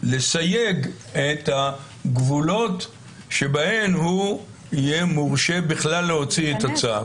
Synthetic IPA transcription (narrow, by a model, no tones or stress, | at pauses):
lesajeɡ | et̪ha | ɡvulo̞t | ʃe̞bahe̞mhu | ijemoʁʃebiχlalːeho̞t͡sietat͡sa